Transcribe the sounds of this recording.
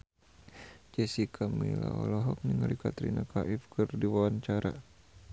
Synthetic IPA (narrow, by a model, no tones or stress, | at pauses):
d͡ʒɛsikʰamila̰ɔlɔɦɔk̚niŋalikat̪ɾinakaʔifkɨrdiwawant͡ʃaɾa̰